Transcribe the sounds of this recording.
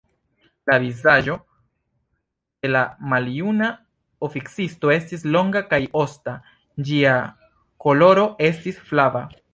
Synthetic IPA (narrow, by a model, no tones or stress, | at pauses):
lavizaʒo̞ | d̥e̞lamaljuna | ofiksisto̞e̞stislo̞ŋɡakajo̞sta | d͡ʒia | ko̞lo̞ɾo̞e̞stisflava